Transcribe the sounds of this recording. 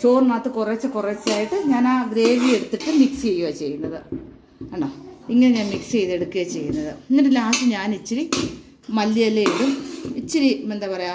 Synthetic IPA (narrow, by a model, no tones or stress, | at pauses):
t͡ɕo̞ːrnaːt̪ːɨkuret͡ɕːɐkuret͡ɕːaːjiʈːɨɲaːnaːɡɾe̞ːʋijeɽut̪ːɨʈːɨmiksjejːuat͡ɕe̞jːunːɐðɨ | ɐɳɖoiŋːɐneɲaːnmiksejðe̞ɽukːɨɣɐt͡ɕe̞jːunːɐðɨiŋːɐndelaːsɨɲaːnit͡ɕːiɾi | mɐlːiɐlːejiɽumit͡ɕːiɾimend̪apɐrɐjaː